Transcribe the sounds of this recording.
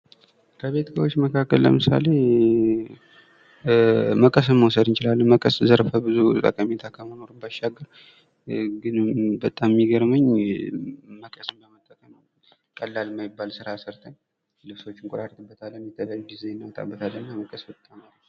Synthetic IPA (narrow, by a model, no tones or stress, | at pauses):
kʰəβe̞t̪səwo̞t͡ʃːməkʰakːəllə̰mɨsa̰le̞ | məkʼəs̬ɨnməwsəd̪ɨnt͡ʃɪlalːənməkʼəszəɾfəbɨzut̪ʼə̰kʼəmet̪ʰakʰəmənoɾɨmbaʃaɡːəɾ | ɡɨnbət̪ʼːammːiɡəɾməɲ | məkʼəsɨmbəmət̪ʼːəkʼəməw | kʼəlːalmajɪbːalsɨɾasɨɾt̪ʰəɲ | lɨβso̞t͡ʃːɪŋkʼuɾaɾt̪ʰɨbːət̪ʰalːənjɛt̪ʰəljajːuɡizenːawt̪ʼa̰bːət̪ʰalːənːaməkʼəsbɨt̪ʼːamal